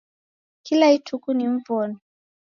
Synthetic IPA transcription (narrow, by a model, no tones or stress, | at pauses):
kilaitʰukuniɱ̩vɔnɔ